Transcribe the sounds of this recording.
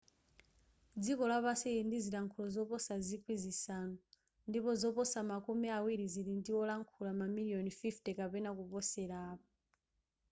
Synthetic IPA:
d͡zikɔlapasɛindizilaŋkʰulɔzɔpɔsazikʰwizisanu | ndipɔzɔpɔsamakumiawiɾiziɾindiɔlaŋkʰulamamiliɔnfiftɛkapɛnakupɔsɛɾaːpa

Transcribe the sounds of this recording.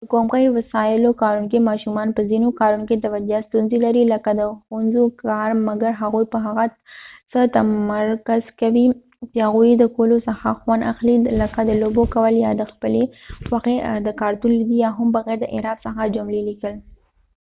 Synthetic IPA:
d̪əkomɣəjwasɑɪlokɑɾunk̬emɑʃumɑnpəzinokɑɾunoket̪awad͡ʒast̪unzilaɾiləkad̪əxʊnzokɑɾmaɡaɾɦaɣujpəɦaɣa | sət̪amaɾkaz̥kawi | t͡ʃehaɣujed̪əkolosəxaxwana̰xliləkad̪əlobokawəljɑd̪əxpəlewaqed̪əkɑɾt̪unlid̪ijɑɦʊmbaɣɛɾd̪əʔɪ̰ɾɑd̪səxad͡ʒamlilikəl

